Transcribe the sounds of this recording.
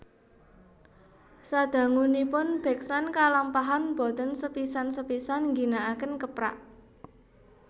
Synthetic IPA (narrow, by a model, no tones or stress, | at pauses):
sad̪̥ä̤ŋunipʊnb̥ɛ̤ksankalampaɦanb̥ɔ̤t̪ənsəpisansəpisanŋɡi̤naʔakənkəpɾa̰ʔ